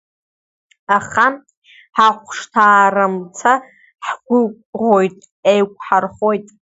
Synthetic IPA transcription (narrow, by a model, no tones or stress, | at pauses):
aχa | ħaχʷʂtʰaːramt͡sʰa | ħɡʷʊkʷʼ | ʁojtʼ | ejkʷʰʼħarχojtʼ